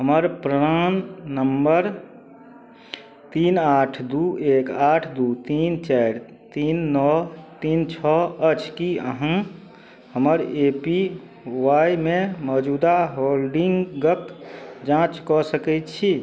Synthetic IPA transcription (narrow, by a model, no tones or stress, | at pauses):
ɦəməɾpɾəɾanːəmbəɾ | t̪inaʈʰd̪uʔekaʈʰd̪ut̪int͡ʃajɾ | t̪inːɔt̪int͡ʃʰɔət͡ʃʰkiə̰ɦə̃ | həməɾepi | wajmẽmɔd͡ʒud̪aɦolɖiŋɡɡəkd͡ʒãt͡ʃkɔsəkɛt͡ʃʰi